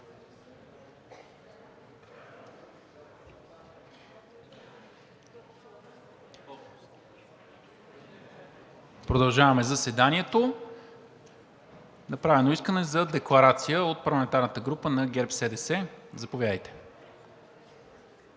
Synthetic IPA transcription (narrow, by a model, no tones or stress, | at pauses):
pɾod̪ɐlˠʒavɐmɛzɐsɛd̪aniɛt̪o | nɐpɾavɛnoiskənɛzɐd̪ɛklˠɐɾat̪sijəot̪̚pɐɾlˠɐmɛnt̪aɾnət̪əɡɾupənɐɡɛɾpsɛd̪ɛsɛzɐpovjad̪əjt̪ɛ̥